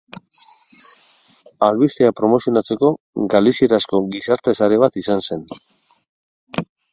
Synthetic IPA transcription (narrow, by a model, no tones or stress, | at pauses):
alβist̪eapɾo̞mo̞sio̞nat͡se̞ko̞ | ɡalisieɾasko̞ɡisaɾt̪e̞saɾe̞βat̪isanse̞n